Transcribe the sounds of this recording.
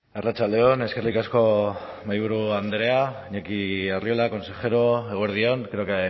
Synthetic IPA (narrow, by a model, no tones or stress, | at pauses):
arat͡ʃald̪e̞one̞ske̞rikasko̞ | majβuɾuand̪ɾe̞a | ɲekiariolako̞nse̞xe̞ɾoe̞ɣoeɾð̞io̞nɡeɾoke